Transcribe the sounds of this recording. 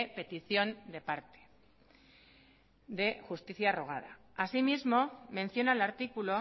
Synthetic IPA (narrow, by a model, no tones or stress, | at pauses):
pe̞t̪iθjo̞nd̪e̞paɾt̪e̥ | d̪e̞xust̪iθjaro̞ɣ̞a̰ð̞a̰ | asimizmo̞mẽ̞n̟θjo̞nalaɾt̪ikulo̞